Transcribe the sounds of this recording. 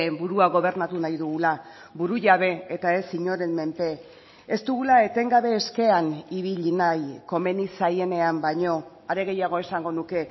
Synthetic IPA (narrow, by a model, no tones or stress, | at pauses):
buɾuaɣo̞β̞e̞ɾnat̪unajðuɣula | buɾuʝaβ̞e̞et̪ae̞siɲo̞ɾe̞mme̞mpe̞ː | st̪uɣulae̞t̪e̞ŋɡaβe̞ːske̞aniβiʎinajko̞me̞nisaje̞ne̞ambajɲo̞ | aɾe̞ɣe̞jaɣ̞o̞e̞saŋɡo̞nuke̞